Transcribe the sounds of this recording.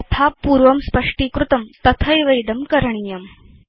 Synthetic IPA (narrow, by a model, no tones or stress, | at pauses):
t̪ʰapuːɾʋɐmspəʂʈiːkɾut̪ɐmt̪ɐt̪ʰɐjʋɐjd̪ɐmkɐɾɳ̃ijɐm